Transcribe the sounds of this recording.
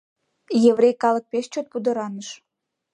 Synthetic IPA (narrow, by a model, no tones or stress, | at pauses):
jeβɾejkɑlə̆k̚peʃt͡ɕot̪̚pud̪ə̆ɾɑnəʃ